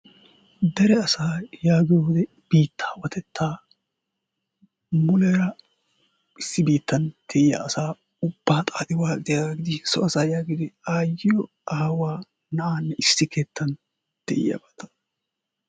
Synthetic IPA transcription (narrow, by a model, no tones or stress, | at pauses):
d̪ɛɾɛɐsaːjaːɡɪjoːd̪ɛ | b̥iːt̪ːḁːwɐt̪ɛt̪ʰːaː | mʊleːɾɐ | ɪsːɪbiːt̪ːɐnd̪̥ɛʔɪja̰ːsaː | ʊb̥ːaːt̪ʼaːd̪ɪwaːd̪ɪjaɡɪd̪ɪsɔɐsaːjaːɡɪd̪ɪaːjːɪjɔ | aːwaː | nɐaːnːɛʔɪsːɪkʰeːt̪ːɐn | d̪̥ɛ̰ʔɪ̰jɐ̰bɐt̪ɐ̥